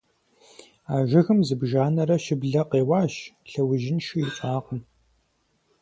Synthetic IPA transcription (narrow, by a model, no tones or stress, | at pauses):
aːʒɪɣɨmzɨbʒaːnɐɾɐʃɪbɮɐqeːwaːʃɬɐwʊʒɪnʃijɪt͡ʃʷʼaːqəm